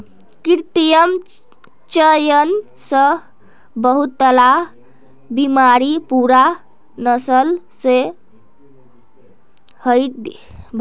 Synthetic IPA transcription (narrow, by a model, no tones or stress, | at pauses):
kiɾt̪ijəm | t͡ʃəjən | sə | bəɦut̪ːəla | bimaɾipuɾa | nəsəl | se | həjt̪̚d̪ | bʱ